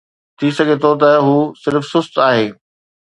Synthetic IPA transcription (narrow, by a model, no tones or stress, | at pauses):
t̪ʰisɐɡʱet̪ʰot̪ɐɦuːsɪɾfsʊst̪aːɦeː